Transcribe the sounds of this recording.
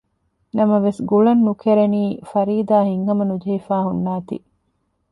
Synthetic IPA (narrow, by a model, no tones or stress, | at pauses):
nɐmɐʋesɡuɭɐnːukʰeɾeniːfɐɾiːd̪aːhiŋɦɐmɐnud͡ʒɐɦifaːɦunːaːt̪ḭ